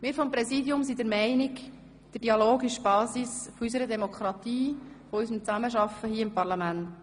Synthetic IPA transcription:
mɪːɾfɔmpɾɛsidjʊmsidəɾmɛɪnɪk | d̥əd̥iɑloːɡɪʃb̥ɑːsisfɔys̬əɾədɛmɔkʰɾɑt̪iː | fɔysəmt͡sæməʃɑfəɦiəɪmpɑɾlɑmænt

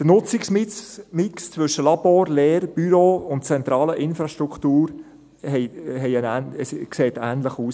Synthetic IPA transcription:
d̥ənʊt͡sɪksmɪmɪkst͡sʋʏʃəlɑboːɾleːɾb̥yɾoːʊntt͡sɛnt̪ɾɑːləʔɪnfɾɑʃtɾuktuːɾ | hɛɪɦɛɪənæːnəskseːtæːnləχuːs

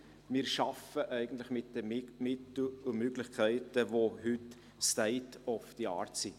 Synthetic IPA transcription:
mɪːɾʃɑfəʔɛɪɡən̩t̪lɪχmɪt̚dəmɪtl̩umøɡlɪχkʰɛɪtəvohʏt | stɛɪtɔfd̥iɑ̰ːɾtsi

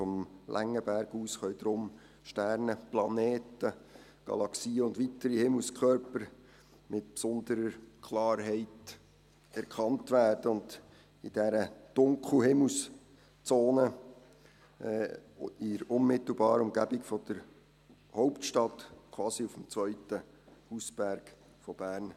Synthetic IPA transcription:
fɔmlʔæ̰ŋːəbæɾɡ̥uːsχœɥd̪̥ɾʊm | ʃtæɾnəplɑneːtə | ɡ̥ɑ̰lɑksiːəʊndʋitəɾihɪml̩ˠskʰœɾpəɾ | mɪtpsɔnd̪əɾəkʰlɑːɾɦɛɪt | ɛɾkʰχɑntʋæːrd̥əʊnd | id̥ɛɾəd̥ʊŋkl̩ɦɪml̩s | t͡soːnə | ɪɾʊnmɪt̪l̩bɑːɾəʊmɡæbɪkfɔd̥̪əɾ | hɔʊptʃtɑtkʰwɑːsiufm̩t͡sʋœʏtə | husb̥æɾɡ̥ | fɔb̥æːɾn

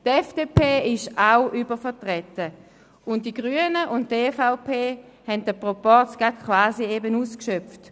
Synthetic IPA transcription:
tɛfd̥eːpʰeːɪʃawʔybəfəɐtʁɛtə | ʊnttːiɡʁyənəʔʊntteːfaʊpʰeːhɛntdəpʁɔpɔt͡ssɡ̥atkʰwaːsiebənuːskʃœp͡ft

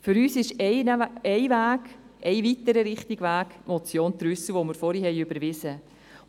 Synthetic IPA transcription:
fʏɾyːsɪʃɛɪnɛɪvæːɡ̥ʔɛɪvitəɾəɾɪχtɪɡʋæːɡ̥mɔt͡sjoːnt̪ɾʏsəʋomɪɾfɔɾhihɛɪʏbəɾʋɪsə

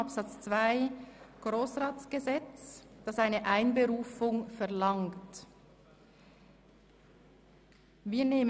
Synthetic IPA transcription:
apsɑt͡st͡sv̥aɪɡ̥ʁoːsʁaːtt͡sɡ̥əzɛt͡sd̥ɑsaɪnəʔaɪnbəʁuːfʊŋfɛɐʁlɑŋt | viːɐneːmə

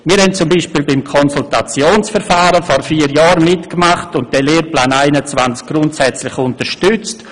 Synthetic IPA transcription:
miːɾhɛnt͡sʊmbiːʃpiːlbɪmkʰɔnsultat͡sjoːnsfɛɾfaːɾəfɔrfiːəɾjɑːɾmɪtkmaχtʊnt̚d̥ɛleːɾplaːnaɪnət͡svant͡sk̚ɡ̥ɾʊntsɛt͡slɪxʊntəɾʃtʏt͡st

